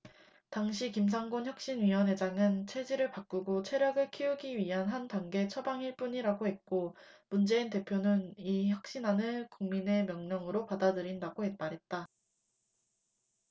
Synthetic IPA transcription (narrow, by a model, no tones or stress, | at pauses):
taŋɕ̬ʰikimsʰaŋɡonçjʌk̚ɕ͈inɥiwʌnɦe̞d͡ʑaŋɯnt͡ɕʰe̞d͡ʑiɾɯɭpak͈uɡot͡ɕʰe̞ɾjʌɡɯɭkʰiuɡiɥiɦanɦantaŋɡe̞t͡ɕʰʌbaŋiɭp͈uɲiɾaɡohe̞t̚k͈o | mund͡ʑe̞inte̞pʰjonɯniçjʌk̚ɕ͈inanɯkuŋmine̞mjʌŋɲʌŋɯɾopadadɯɾindaɡohe̞maɾɦe̞t̚t͈a